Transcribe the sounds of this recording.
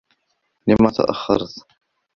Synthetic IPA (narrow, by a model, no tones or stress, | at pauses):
lɪmːat̪ʰa̰ʔa̰xːɑ̰ɾˤt̪